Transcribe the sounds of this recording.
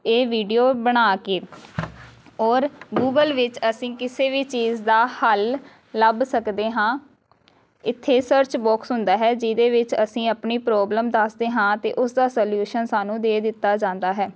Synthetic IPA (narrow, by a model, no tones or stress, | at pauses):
eːʋiːɖijoːbəɽ̃aːkeː | ɔːɾɡuːɡəlʋɪt͡ʃəsĩːkɪseːʋiːt͡ʃiːzd̪aːhəlː | əbsəkd̪eːɦãː | ɪt̪ʰːeːsəɾt͡ʃbɔːksɦʊnd̪aːɦɛːd͡ʒɪd̪eːʋɪt͡ʃəsĩːəpɳiːpɾɔːbləmd̪asd̪eːɦãːt̪eːʔʊsd̪aːsoːljuːʃənsaːnũːd̪eːd̪ɪt̪ːaːd͡ʒãːnd̪aːɦɛː